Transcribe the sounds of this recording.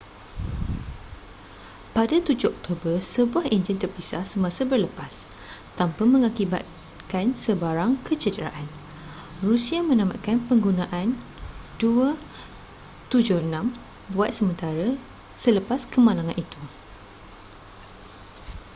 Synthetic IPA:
padat̪ud͡ʒʊhɔk̚t̪ʰobərsəbuahiɲd͡ʒint̪ərpisahsəmãsabərləpast̪ampamə̃ŋakiba̰t̪̚ | kansəbaɾaŋkʰət͡ʃədɾa̰ʔan | rusiamə̃nãma̰t̪̚kanpəŋɡunãʔan | dua | t̪ud͡ʒʊənãm | buat̪̚səmə̃nt̪aɾa | sələpaskəmãlaŋãnʔit̪u

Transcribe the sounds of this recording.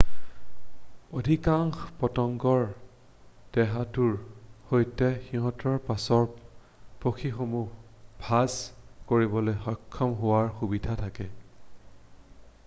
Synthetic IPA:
odʱikaŋxpɔtɔŋɡɔɹ | d̥ɛɦatuɹhojtɛxiɦɔ̃tɔɹpasɔɹ | poxʰixomubʱazkoɹibɔlojxɔkʰːɔmɦʊaɹxubidʱatʰakɛ

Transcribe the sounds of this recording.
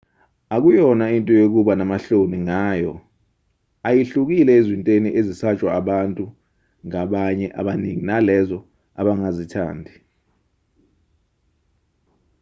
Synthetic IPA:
ak̬ujɔnaintʼɔjok̬uɓanamaɬoniŋaːjɔ̰ | ajiɬuk̬ilɛezwintʼeniʔezisat͡ʃʼwaːɓantʼu | ŋaɓaɲɛʔa̰ɓaniŋinalɛzɔ | aɓaŋazitʰa̰ːndʱi

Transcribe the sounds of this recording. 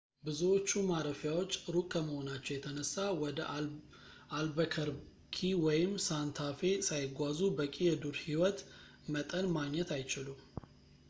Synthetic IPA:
bɨzuwot͡ʃːumaɾəfjawot͡ʃːɾukʼʰːəməho̞nat͡ʃːɛwjɛt̪ʰənəsːawɔd̪ə | ʔalbəkʰəɾ | kʰiwɔjɪmsant̪ʰafe̞sajɪɡʷazubəkʼijɛd̪uɾhiwɔt̪ | mət̪ʼənmaɡɲːɛt̪ʰajt͡ʃɪlu

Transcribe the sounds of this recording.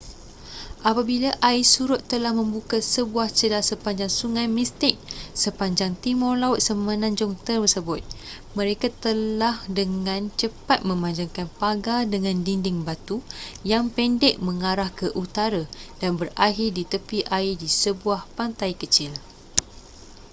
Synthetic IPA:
ʔapabilaʔaisuɾʊt̪ːəlahmə̃mbukasəbuaht͡ʃəlasəpaɲd͡ʒaŋsuŋajmist̪ɪk̚səpaɲd͡ʒaŋt̪imʊrlaʊt̪̚səmə̃nãɲd͡ʒʊŋt̪ərbəsəbʊt̪̚ | mə̃ɾekat̪əlahdəŋãnt͡ʃəpat̪̚mə̃maɲd͡ʒaŋkanpaɡadəŋãndindɪŋbat̪ujaŋpɛndɛk̚mə̃ŋaɾahkəʔut̪aɾad̥anbəraɦɪrdit̪əpiʔaidisəbuahpant̪ajkət͡ʃɪl

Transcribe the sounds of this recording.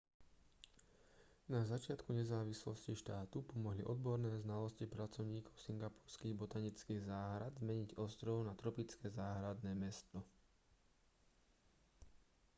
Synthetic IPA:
nazat͡ʃɪat̪kuɲɛzaːʋislɔsciʃt̪aːt̪upɔmɔɦliʔɔd̪bɔɾnɛːznalɔscipɾat͡sɔʊɲiːkɔʊsiŋɡapuːɾskiːɣbɔt̪aɲit͡skiːɣzaːɦɾad̪zmɛɲiɟɔst̪ɾɔʊnat̪ɾɔpit͡skɛzaːɦɾad̪nɛːmɛst̪ɔ

